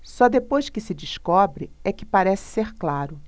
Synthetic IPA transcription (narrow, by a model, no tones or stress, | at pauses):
sɔd̪epojʃkɪsɪd͡ʒiʃkɔbɾɪɛkɪ̥paɾɛsɪ̥seɾklaɾʊ